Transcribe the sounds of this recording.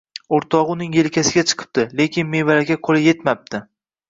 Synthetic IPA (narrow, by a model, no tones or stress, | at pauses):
oɾt̪ʰɒʁʊnɪŋjelkʲʰasɪɡʲat͡ʃʰɨ̥qʰɨ̥p̚t̪ɪle̞kʲʰɪnme̞valakʲaqʰolˠɪjet̪map̚t̪ʰɪ